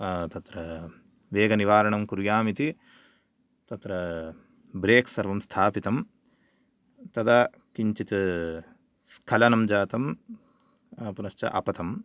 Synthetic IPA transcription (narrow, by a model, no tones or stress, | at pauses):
t̪ɐt̪ɾɐ | ʋeːɡɐniʋaːɾɐɳɐmkuɾjaːmit̪i | t̪ɐt̪ɾɐ | bɾeːksɐɾʋɐmst̪ʰaːpit̪ɐm | t̪ɐd̪ɐ | kiɲt͡ʃit̪ | skʰɐlɐnɐmd͡ʒaːt̪ɐm | punɐʃt͡ʃɐ̰ʔɐ̰pɐt̪ɐm